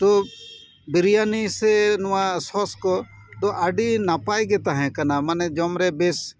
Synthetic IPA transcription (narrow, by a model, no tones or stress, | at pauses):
t̪o | bɪɾijanisenʊãsɔskɔ | t̪oʔɐɖinapaːjɡɛt̪aɦɛ̃kɐnamɐnɛd͡ʒɔmɾebes